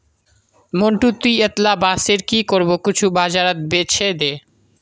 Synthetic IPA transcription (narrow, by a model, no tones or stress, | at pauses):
moɳʈut̪iət̪labaseɾkikoɾbokit͡ɕʰubad͡ʒaɾat̪̚bet͡ɕʰed̪e